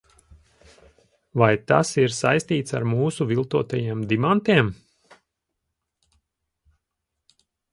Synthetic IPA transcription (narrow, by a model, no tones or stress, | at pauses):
vajt̪a̰siɾsa̰jst̪iːt̪sa̰ɾmuːsuvilˠt̪uɔt̪ajiɛmd̪imant̪iɛm